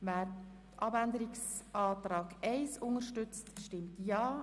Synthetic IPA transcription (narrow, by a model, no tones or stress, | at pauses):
væːɾ | tʔɑbænd̪əɾɪksɑːtɾɑːɡɛɪsʊŋəɾʃtʏt͡stʃtɪmtjɑː